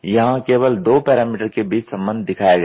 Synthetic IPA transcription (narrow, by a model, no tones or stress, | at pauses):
jɐɦãkeːʋəld̪oːpɛːɾaːmiːʈəɾkebiːt͡ʃsɐ̃mbə̃nd̪ʱd̪ɪkʰaːjaɡ